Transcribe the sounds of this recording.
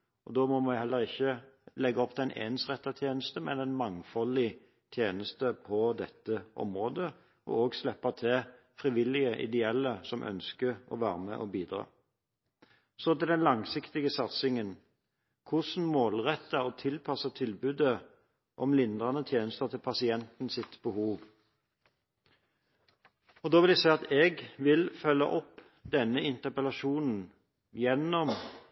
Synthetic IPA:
ɔd̪oːmɔmɑhɛlːəʁɪçːəlɛɡːɑɔpt̪ʰæɪnʔḛːnsʁɛt̪ːɑt̪ʰjeːnəst̪əmɛ̰næɪnmɑŋfɔlɪ | t̪ʰjeːnəst̪əpʰɔd̪ɛt̪ːəʔɔ̰mʁoːd̪ə | ɔ̰oːɡslɛpːɑt̪ʰɛ | fʁɪʋɪlɪəʔɪ̰d̪ɛɛlːəsɔmʔœ̰nskəɔ̰ʋæːɾəmɛ̰ʔɔbiːd̪ʁɑ̰ː | sɔt̪ɪld̪ɛnlɑŋsɪkt̪ɪɡəsɑt̪sɪŋən | kʰʊsn̩moːlʁɛt̪ːəɔt̪ʰɪlpʰɑsət̪ʰɪlbʉːd̪ə | ʔɔmlɪnd̪ʁɑnət̪ʰjeːnəst̪ət̪ʰɪlpʰɑsɪɛnt̪nsɪt̪bəhuːʋ | ɔd̪oːʋɪld̪æsæɪɑt̪ɛːɡʋɪlfœlːə̰ʔɔpː | d̪ɛnːəɪnt̪əpəlɑʃuːnn̩ | jɛnːɔm

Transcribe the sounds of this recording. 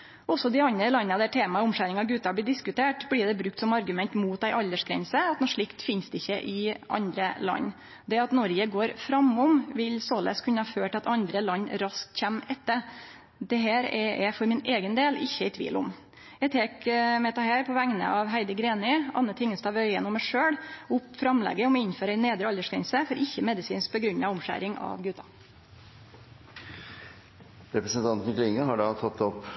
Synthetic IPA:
ɔsːɔd̪ɪɑnɾəlɑnːɑd̪æʈʰeːmɑʊmʂæːɾɪŋɑɡʉt̪ːɑblɪːɖ̪ɪskʉt̪ʰeːʈbliːd̪ɛbɾʉk̚t̪sɔmɑɾɡʉmɛnt̪muːt̪̚d̪æɪʔɑld̪əʂɡɾɛ̰nsəɑt̪nɔʂɭɪkt̪fɪnsd̪ɛɪçːəʔɪʔɑ̰nd̪ɾəlɑ̰nː | d̪ɛɑt̪nɔɾjəɡoːɾfɾɑmʊmʋɪlsoːlə̰skʰʉnːəhɑføːʈɑt̪ɑnd̪ɾəlɑnːɾɑsk̚t̪çæmɛt̪ːəɾ | d̪ɛɦæːɾɛɛ̰fɔɾmɪneːɡənd̪eːlɪ̰çːəɛɪt̪ʰʋḭːlʊ̰m | ɛt̪ʰeːkmɛt̪ɑhæːɾpʰɔʋæŋnə̰ʔɑʋɦæɪd̪əɡɾeːnɪɑ̰nːət̪ʰɪŋːəst̪ɑːʋœʏənɔmːæʂøːɽʊpːfɾɑmlɛ̰ɡːəɔmɛɪnføːɾæneːd̪ɾəɑləʂkɛnsəfɔɾʔɪçːəmɛd̪ɪsiːnsk̚pɔɡɾʉɲːɑʋʊmʂæ̰ːɾɪŋʔɑ̰ʋɡʉːt̪ɑ | ɾɛpɾəsənt̪ʰɑnt̪n̩ɪkʰlɪŋːəhɑɖɑːt̪ʰɑt̪ːɔp

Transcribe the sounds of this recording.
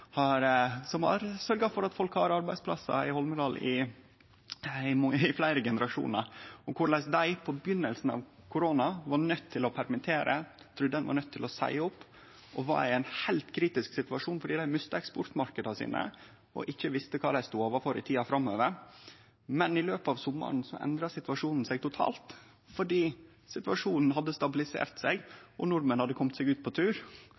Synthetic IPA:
hɑɾsɔmɑ̰ɾsœɾɡɑfɔɾɑt̪fɔlkhɑɾɑɾbæɪspʰlɑ̰sːɑ̰ɪhɔlməd̪ɑlɪ̰ | ɪmɑəɪflæɪɾəɡɛnəɾɑʂṵːnəɾɔkʰʊɾɭɛsd̪æɪpʰɔbjʏnːəlsn̩ɑ̰ʋkʰʊɾoːnɑʋɑnœt̪ʰːɪlɔpʰæɾmɪt̪ʰeːɾʔə̰ | t̪ʰɾud̪əd̪ɛnʋɑ̰ɾnœt̪ʰːɪlɔsæ̰ɪʊpː | ɔʋɑ̰ɾɪɛɪnhæɪlt̪kʰɾiːt̪ɪsksɪt̪ʋɑʂuːnfɔɖiːd̪æɪmœst̪əɛkspɔɾt̪mɑɾkəd̪ɑsḭːnə̰ | ɔ̰ʔɪçːəʋɪst̪əkʰɑːd̪æɪst̪uːoːʋəfɔɾɪ̰t̪ʰiːɑfɾɑmːøːʋəɾ | mɛnɪløːpɑʋsʊmːɑ̰ɳ̩sɔ̰ʔɛ̰nd̪ɾɑsɪt̪ʋɑʂuːnn̩sæɡ̚t̪ʊt̪ʰɑ̰ːlt̪ | fɔɖiː | sɪt̪ʋɑʂuːnn̩ɦɑd̪ːəst̪ɑbɪlɪsḛːɾt̪sɛɡʔɔnʊɾmənhɑd̪ːəkʰɔmt̪sɛɡʉːt̪̚pʰɔt̪ʰʉːɾ

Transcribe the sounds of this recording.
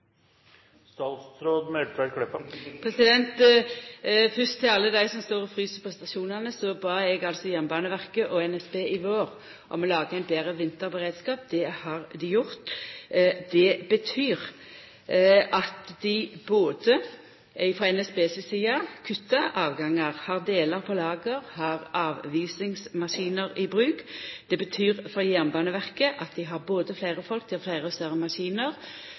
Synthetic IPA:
st̪ɑlst̪ɾoːd̪mɛʈ̪ʋækʰlɛpːəpʰʁɛsɪd̪ɛnt̪ | fʏst̪ʰːɪlɑlːəd̪æɪsɔmst̪oːʁɔfʁyːsəpʰɔst̪ɑʃuːnɑnəsɔbɑːɛɡɑlsɔjɛmbɑːnəʋæʁkəʔɔɛnɛsbeːʔɪʋoːʁ | ʔɔmɔlɑːɡəæɪnbeːʁəʋɪnt̪əɾbəʁeːd̪skɑːp̚d̪ɛhɑʁd̪ɪjʊʁt̪ | d̪ɛbət̪ʰyːʁ | ʔɑt̪d̪ɪboːd̪ə | fɾɔɛnɛsbeːsəsiːɑkʰʉt̪ːəʔɑːʋɡɑŋːɑʁhɑʁd̪eːləʁpʰɔlɑːɡəʁhɑʁɑːʋʋiːsɪŋsmɑʂiːnəʁiɪbʁʉːkd̪̥ɛbət̪ʰyːʁfɔjæʁnbɑːnəʋæʁkəʔɑt̪̚d̪ɪɦɑʁboːd̪əflæɪʁəfɔlk̚d̪ɪhɑlflæɪʁəst̪œɾəmɑʂiːnəʁ

